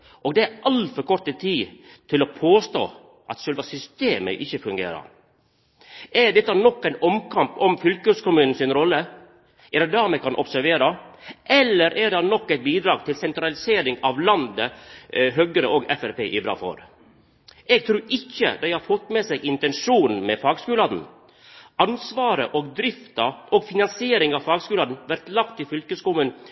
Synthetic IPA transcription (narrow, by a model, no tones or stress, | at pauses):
ʔɔːɡd̪ɛæɾɑlfɔɾkʰɔɾt̪ət̪ʰiː | t̪ʰɪlɔpʰoːst̪o̰ː | ʔɑt̪ʃœlʋɑsʏst̪eːmə̰ʔɪçəfʉŋɡḛːɾɑ̰ɾ | ɛɖ̪ɛt̪ːɑnɔkːæɪnɔmkʰɑmpɔmfʏlkøskʊmʉːnn̩sɪnɾɔlːə | ʔɛɾd̪ɛd̪æɾmɛkʰɑnʔɔ̰psæɾʋeːɾɑʔɛlːəɾʔæɖɑnɔkːɛɪt̪̚biːd̪ɾɑːɡ̚t̪ʰɪlsɛnt̪ɾɑlɪseːɾɪŋɑʋlɑnd̪əɦœɡəɾəʔoːɡɛfæɾpḛːʔɪbɾɑ̰ːfɔ̰ɾ | ʔɛɡ̚t̪ʰɾuːɾʔɪçːə̰d̪æɪhɑɾfɔt̪ːmɛsɛɡɪnt̪ɛnʂuːn̩mɛfɑːɡskʉːlɑd̪n̩ | ɑnsʋɑːɾəʔɔɡd̪ɾɪft̪ɑʔɔɡfɪnɑnsɪeːɾɪŋɑʋfɑːɡskʉːlɑːd̪n̩ʋæɾt̪lɑkt̪ʰːɪfʏlkəskʊmʉːn